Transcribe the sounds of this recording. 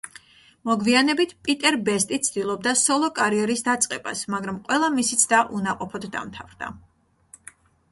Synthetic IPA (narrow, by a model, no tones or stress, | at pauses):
mɔɡvianɛbit̪ʰpʼit̪ʼɛɾbɛst̪ʼit̪sʰd̪ilˠɔb̚d̪asɔlˠɔkʼaɾiɛɾisd̪at̪sʼqʼɛba̰smaɡɾamqʼwɛlˠamisit̪sʰd̪aʔunaqʼɔpʰɔd̪d̪a̰mt̪ʰavɾd̪a̰